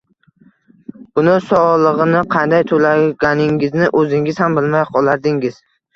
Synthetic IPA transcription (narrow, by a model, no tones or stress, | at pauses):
bʊnɪsɒlˠɨʁɨnɪqʰɑnd̪ajt̪ʰolaɡʲanɪŋɪznɪʔɵzɪŋɪz̥hambɪlmajqʰɒlˠaɾd̪ɪŋɪz̥